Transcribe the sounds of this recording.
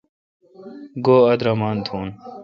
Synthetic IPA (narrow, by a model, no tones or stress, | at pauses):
ɡoːɐd̪ɾɐmaːnt̪ʰuːn